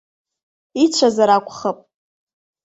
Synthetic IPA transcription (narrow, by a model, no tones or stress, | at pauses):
it͡ʃʷʰazaɾakʷʰʼχəpʼ